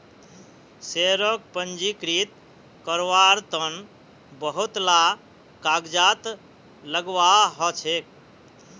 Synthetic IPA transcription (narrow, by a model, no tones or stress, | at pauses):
seɾək̚pənd͡ʒikɾit̪ | kəɾʋaɾt̪ən | bəɦut̪la | kaɡd͡ʒat̪ | ləɡʋaɦɔt͡ʃʰek̚